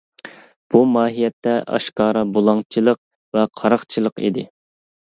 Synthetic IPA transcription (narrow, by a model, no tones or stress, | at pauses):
b̥umɑːɦijɛt̪ʰːɛʔɑ̰ʃkɑːɾɑbolˠɑŋt͡ʃʰilˠəq̚ | vɛqʰɑɾɑqt͡ʃʰilˠəqḭd̪ɪ